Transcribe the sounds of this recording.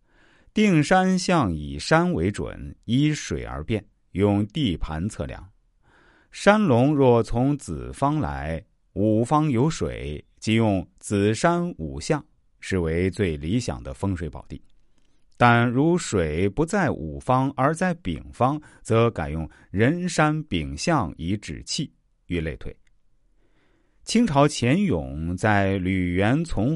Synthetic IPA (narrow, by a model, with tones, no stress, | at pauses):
t̪i˥˩˧ŋʂa˥nɕjɑ˥˩ŋi˨˩ʂa˥nwe˧˥ɪʈ͡ʂwə̰˨˩ni˥ʂwe˨˩ɪə̰˞˧˥pjɛ˥˩n | jʊ˥˧ŋt̪i˥˩pʰa˧˥nt͡sʰɤ̰˥˧˩ljɑ̰˥˩˦ŋ | ʂa˥nlʊ˧˥ŋɻwɔ˥˩t͡sʰʊ˧˥ŋt͡sɹ̩˨˩fɑ˥ŋla̰˧˥ɪ | u˨˩fɑ˥ŋjo˧˥ʊʂwḛ˨˩˦ɪ | t͡ɕi˥˧jʊ˥˩ŋt͡sɹ̩˨˩ʂa˥nu˨˩ɕjɑ˥˩ŋ | ʂɻ̩˥˩we˧˥ɪt͡swe˥˩ɪli˧˥ɕjɑ̰˨˩ŋd̪ə˦fɤ˥ŋʂwe˧˥ɪpɑ̰˨˩ʊt̪ḭ˥˩ | t̪a˥˩nɻu˧˥ʂwe˨˩ɪpu˧˥t͡sa˥˩ɪʔṵ˨˩fɑ˥ŋə˞˧˥t͡sa˥˩ɪpḭ˨˩ŋfɑ˥ŋt͡sɤ˧˥ka˨˩ɪjʊ˥˩ŋ | ɻə˧˥nʂa˥npi˨˩ŋɕjɑ˥˧ŋi˧˥ʈ͡ʂɻ̩̰˨˩t͡ɕʰi˥˩ | y˥˧le˥˧ɪt̪ʰwe˥˩ɪ | t͡ɕʰi˥ŋʈ͡ʂʰɑ˧˥ʊt͡ɕʰjɛ˧˥njʊ̰˨˩˦ŋt͡sa˥˩ɪly˨˩ɥɛ˧˥nt͡sʰʊ˧˥ŋ